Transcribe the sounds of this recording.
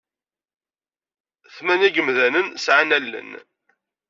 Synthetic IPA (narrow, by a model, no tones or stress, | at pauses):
θmænæɡəmðænənsʕanælːə̰n